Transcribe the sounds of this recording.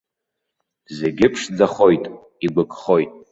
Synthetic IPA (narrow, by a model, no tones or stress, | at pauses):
ze̞ɡʲɪpʰʂd͡zaχo̞jtʼ | iɡʷʊkʼχo̞jtʼ